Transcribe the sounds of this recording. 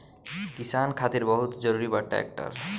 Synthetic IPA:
kisankʰat̪iɾbəɦut̪d͡ʒəɾuɾibəʈʈːa̰ḛk̚ʈə̰ɾ

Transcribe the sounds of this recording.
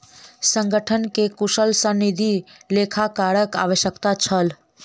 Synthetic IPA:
sə̃ŋɡʱəʈʰənkekuʃəlsə̃nid̪ʱilekʰakaɾəka̰ʋəʃjəkt̪at͡ʃʰəl

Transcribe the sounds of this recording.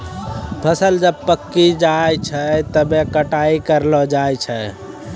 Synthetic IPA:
bʰʱəsəld͡ʒəb̚pəkːid͡ʒajt͡ʃʰət̪əbekəʈaikəɾlɔd͡ʒajt͡ʃʰə

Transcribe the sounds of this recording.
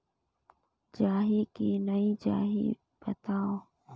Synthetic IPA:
d͡ʒaːɦikiːnəid͡ʒa̰ːɦḭ | b̥ət̪aːoː

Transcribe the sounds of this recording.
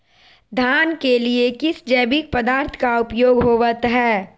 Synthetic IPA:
d̪ʱaːnkeliekɪsd͡ʒɛːbik̚pəd̪aːɾt̪ʰkaʊpjoːɡɦoːʋət̪ɦɛː

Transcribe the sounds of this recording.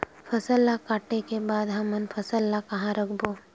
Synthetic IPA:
fʰɐsəlːakaːʈekebaːd̪ɦɐmənpʰɐsəlːakɐɦãɾɐkʰboː

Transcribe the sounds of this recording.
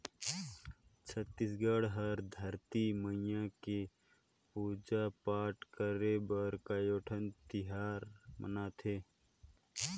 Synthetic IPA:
t͡ʃʰət̪ːisɡəɽɦəɾd̪ʱəɾt̪iməɪjãke | puːd͡ʒapaːʈkəɾebəɾkajoːʈʰənt̪ɪɦaːɾmə̰naːt̪ʰeː

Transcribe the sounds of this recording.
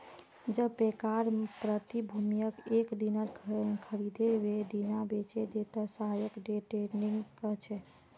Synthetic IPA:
d͡ʒəbpekaɾpɾət̪ibʱumijəkekd̪inəɾkʰəɾid̪ʱebed̪inabet͡ʃed̪et̪əsəɦajəkɖeʈeniŋɡkət͡ʃʰɛ

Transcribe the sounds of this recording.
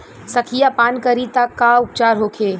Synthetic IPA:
sɐkʰijapaːnkəɾit̪akːaʊp̚t͡ʃaːɾɦoːkʰeː

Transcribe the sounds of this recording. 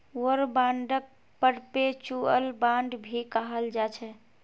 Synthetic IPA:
wəɾbãɳɖək̚ | pəɽpet͡ʃuəlbãɳɖbʱikəɦəld͡ʒat͡ʃʰɛ

